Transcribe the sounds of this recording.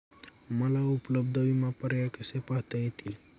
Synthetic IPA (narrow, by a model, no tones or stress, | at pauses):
məlaupləbd̪ʱəʋimãpəɾjakesepaɦt̪eɦẽt̪ʰil